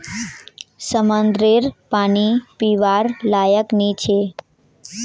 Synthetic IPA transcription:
səmənd̪ɾeɾpanipiʋaɾlajəknit͡ʃʰe

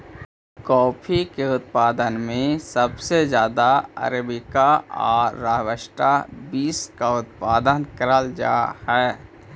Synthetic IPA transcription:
kɔːpʰikeʊt̪̚paːd̪ənmẽsəbsezjaːd̪aə̰ɾbɪkaɔ̰ːɾːaːɦwəʃʈabiːskaʊt̪̚paːd̪ənkəɾəld͡ʒa̰ːhɛː

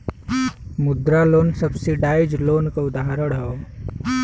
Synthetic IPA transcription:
mʊd̪ɾaloːnsəbsiɖaːɪd͡ʒloːnkoʊd̪aɦɾəɽɦao

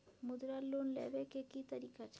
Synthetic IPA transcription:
mud̪ɾalːonlɛ̰bekekit̪aɾikat͡ɕʰ

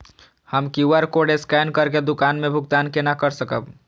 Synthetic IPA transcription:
həmkiuəɾkoɖeskɛnkəɾked̪ukanmebʱuɡt̪ankenakəɾsəkəb

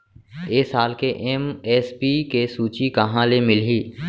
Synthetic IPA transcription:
eːsaːlkeʔeːmɛːspiːkesuːt͡ʃikɐɦãlemɪliː

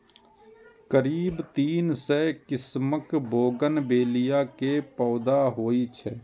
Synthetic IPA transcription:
kəɾiːbt̪iːnsɛkɪsməkbʱoːɡənbeːlɪjakepɔːd̪aɦoːit͡ʃʰɛː

